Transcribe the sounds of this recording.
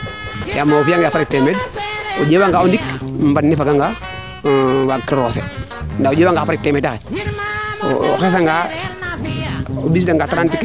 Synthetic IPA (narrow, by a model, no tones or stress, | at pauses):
jamːafiaŋɡaapaɾik̚temed̚od͡ʒewaŋɡaundikmbanːifaɡaŋɡa | wakːɾosḛ | ndaod͡ʒeːwaŋɡapaɾik̚temeːdakḛ | o̰xes̬aŋɡa | obisdaŋɡataɾantik